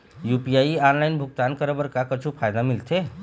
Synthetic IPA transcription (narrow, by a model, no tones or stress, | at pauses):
jupijajianlajnbʱuɡ̚t̪ankəɾəbəɾkakət͡ʃʰupʰajd̪amilt̪ʰe